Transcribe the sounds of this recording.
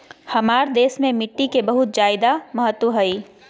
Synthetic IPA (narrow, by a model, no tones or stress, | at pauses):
hɐmaːɾd̪eːsmẽmɪʈːikebɐɦʊt̪̚d͡ʒaːɪd̪amɐɦət̪ːwəɦɐiː